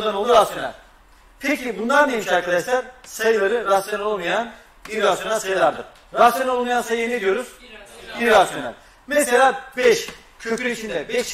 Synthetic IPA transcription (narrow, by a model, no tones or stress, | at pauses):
d̪ano̞lˠd̪uɾasjonʲæ̰lʲ | pʰɛcʰibund̪and̪ejemiʃaɾkʰad̪aʃlˠaɾ̥sajɯlˠaɾɯɾasjonlo̞lˠmajan | biɾasjonalʲsajɯlˠaɾd̪ɯɾ | ɾasjonolˠmajansajɯjned̪ijo̞ɾuz̥biɾasonæ̰lʲ | mɛselʲaːbɛʃ | cʰøcʰyiʃʰind̪ɛbɛʃ